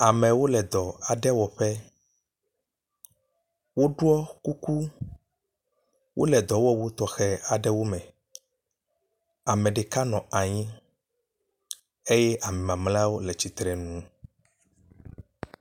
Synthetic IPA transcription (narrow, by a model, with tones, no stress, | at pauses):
a˨mɛ̃˨wo˦lɛ˨d̪ɔ˨a˨ɖɛ˦wɔ˨ɸɛ˦ | wo˦ɖu˦ɔ˦ku˦ku˦ | wʔo̰˦lɛ˨d̪ɔ˨wɔ˦wo˦t̪ɔ˨xɛ˨a˨ɖɛ˦wo˦mɛ̃˨ | a˨mɛ̃˨ɖe˨ka˦nɔ̃˨a˨ɲĩ˦ | e˦jɛ˦ʔa˨mɛ̃˨mã˨mla˦wo˦lɛ˨t͡ɕi˨t̪ɾɛ˨nũ˦